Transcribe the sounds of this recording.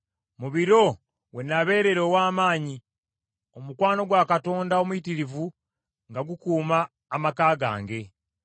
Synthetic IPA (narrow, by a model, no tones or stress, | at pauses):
muβiɾo̞ | we̞nːaβe̞ːɾe̞ɾo̞ːwaːmaːɲi | o̞mukwaːno̞ɡwakato̞ːndao̞muitiɾivu | ŋɡaɡukuːmaː | makaːɡa̰ːŋɡe̞